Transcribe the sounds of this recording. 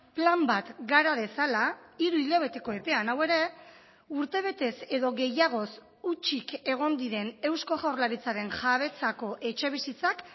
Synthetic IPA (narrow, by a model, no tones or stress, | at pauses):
plambat̪ɡaɾaðe̞salaiɾuiʎaβ̞e̞t̪e̞ko̞e̞pe̞anawe̞ɾe̞ | uɾt̪e̞β̞e̞t̪e̞se̞ðo̞ɣe̞jaɣ̞o̞s | ut͡ʃike̞ɣ̞o̞nd̪iɾe̞ne̞wsko̞ɣawrlaɾit͡saɾe̞nʝaβ̞e̞t͡sako̞ʔe̞t͡ʃe̞β̞isit͡sak